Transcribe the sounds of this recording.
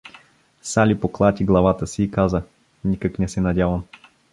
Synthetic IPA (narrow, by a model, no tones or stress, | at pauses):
salipoklˠat̪ʲiɡlˠɐvat̪əsiːkazə | nikəknɛsɛnɐdʲavɐm